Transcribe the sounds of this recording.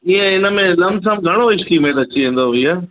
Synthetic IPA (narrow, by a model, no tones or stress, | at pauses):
iẽɪnəmẽlɐmsãmɡʱɐɽ̃oɪʃkiːmẽːt̪ɐt͡ɕiẽːn̆d̪oɦʊiaː